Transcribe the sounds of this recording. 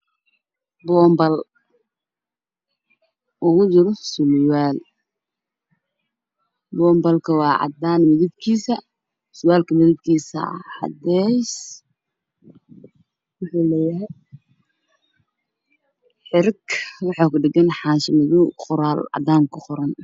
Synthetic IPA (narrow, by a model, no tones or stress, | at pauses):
bɔːmbɐl | ʔʊɣʊd͡ʒɪɾɔsʊlwaːl | bɔːmbɐlkʰɐwɑːʕɑ̰d̪aːnmɪðɪbkʰiːsɐ | sʊwaːlkʰɐmɪðɪbkʰiːsɐ̰ʕɑ̰d̪ɛs | wʊħuːlɛːjɐɦɛj | ħɪɾkwɑħɑːkʊɖɪɡɐnħɑːʃɪmɪðʊqʊɾaːlʕɑ̰d̪aːŋkʰʊqʊɾɐn